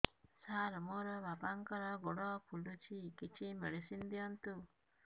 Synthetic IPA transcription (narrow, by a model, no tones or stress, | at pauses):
saːɾmɔɾɔbapaŋkɔɾɔɡɔɽɔpʰuɖut͡ʃʰikit͡ʃʰimeɽisind̪ijɔnt̪u